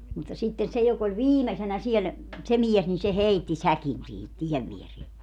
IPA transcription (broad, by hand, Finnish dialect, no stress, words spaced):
mutːɑ sitːen se jok olʲ ʋiːmesenæ siel se miɛs nin se heitːi sækin sihit tiɛʋ ʋierie